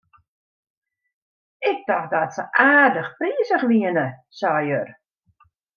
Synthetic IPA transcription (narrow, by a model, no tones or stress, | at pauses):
ɪk̚daxdatsəʔaːrdəxpriːəsəχʋiənəsajør